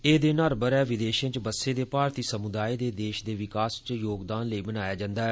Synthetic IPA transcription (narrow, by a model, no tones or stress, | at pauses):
eːd̪eːnaːɾbəɾɛːʋɪd̪eːʃə̃ːt͡ʃbəsːeːd̪eːpaːɾt̪iːsəmʊd̪aːiːd̪eːd̪eːʃd̪eːʋɪkaːst͡ʃjoːɡd̪aːnləiːbənaːjaːd͡ʒãːnd̪aːɛː